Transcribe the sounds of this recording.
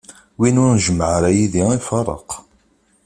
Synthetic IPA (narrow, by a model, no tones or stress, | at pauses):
winʊɾʒmːəʕəɾæjiðiifɑrˤə̰q